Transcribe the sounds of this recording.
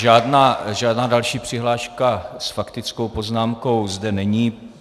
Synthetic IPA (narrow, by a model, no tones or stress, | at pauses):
ʒaːdnaːʒaːdnaːdalʃiːpr̥ɪɦlaːʃkasfakt̪ɪt͡sko̞wpo̞znaːmko̞wzdɛnɛɲiː